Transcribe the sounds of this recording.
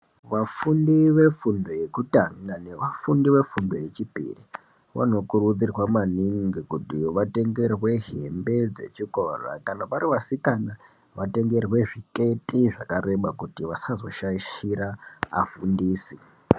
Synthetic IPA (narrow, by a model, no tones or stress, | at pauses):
ʋafundiʋe̞fundo̞je̞kutaŋaneʋafundiʋe̞fundo̞je̞t͡ʃipḭri | ʋa̰no̞kuɾud͡zirwamaniŋɡikutiʋate̞ŋɡe̞rwe̞ɦe̞mbe̞d͡ze̞̰t͡ʃikora̰kanapaɾiʋasikana | ʋate̞ŋɡe̞rɣwe̞ʐike̞tiʐakaɾe̞ɓakutiʋasazo̞ʃaiʃiɾaafundiːsi